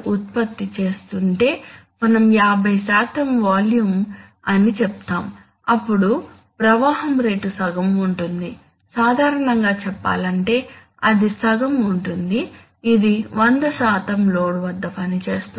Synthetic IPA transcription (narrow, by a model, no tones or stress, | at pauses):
ut̪̚pɐt̪ːit͡ʃe̞ːst̪uɳʈe̞ː | mɐnɐmjaːbʱɐjsaːt̪ɐmʋaːljum | ɐnit͡ʃɛp̚t̪aːm | ɐpːuɽu | pɾɐʋaːɦɐmɾe̞ːʈusɐɡɐmuɳʈund̪i | saːd̪ʱaːɾɐɳɐŋɡaːt͡ʃɛpːa̰ːlɐɳʈe̞ː | ɐd̪isɐɡɐmuɳʈund̪iː | d̪iʋɐnd̪ɐsaːt̪ɐmlo̞ːɽuʋɐd̪ːɐpɐnit͡ʃe̞ːst̪u